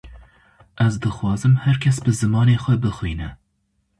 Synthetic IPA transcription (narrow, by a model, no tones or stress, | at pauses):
ʔæzd̪ɨxwɑːzɨmhæɾkʲʰɛsbɨzɨmɑːneːxʷɛbɨxwiːnɛ